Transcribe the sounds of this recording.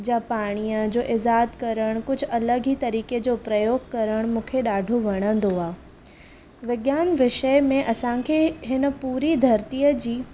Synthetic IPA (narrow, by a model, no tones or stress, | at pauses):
d͡ʑapaːɽ̃ijəd͡ʑoːʔɪzaːt̪kɐɾəɽ̃kʊd͡ʑʱʊ̆ɐləɡit̪ɐɾiːked͡ʑoːpɾɐjoːɡkɐɾəɽ̃mũːkʰeɗaːɖʱoʋɐɽ̃ə̃n̆d̪oaː | ʋɪɠjaːnʋɪʃəmẽʔɐsãkʰeːɦɪnə̆puːɾid̪ʱɐɾt̪ijəd͡ʑiː